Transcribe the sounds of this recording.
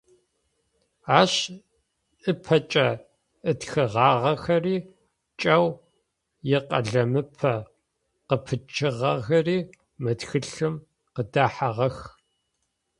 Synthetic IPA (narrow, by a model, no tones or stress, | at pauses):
aːɕ | ɨpʰɐt͡ʃʼɐ | ɨtxɨʁɑːʁɐxɐriː | t͡ʃʼɐw | jɪqɐ̰ɮɐmɨpʰɐ | qəpʰɨt͡ʃʰɨʁɐɣɐriː | mɨtxɨɬɨm | qədaːħaʁɐx